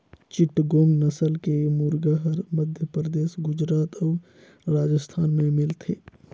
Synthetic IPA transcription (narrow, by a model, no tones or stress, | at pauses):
t͡ʃɪʈɡoːmnəsəlkemuɾɡəɦəɾməd̪ʱjəpɾəd̪eːsɡʊd͡ʒɾaːt̪ɔː | ɾaːd͡ʒəst̪ʰaːnmẽmɪlt̪ʰeː